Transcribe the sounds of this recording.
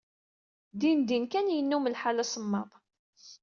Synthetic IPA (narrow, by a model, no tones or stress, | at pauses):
d̪ind̪inkænjənːuməlħalæsəmːɑðˤ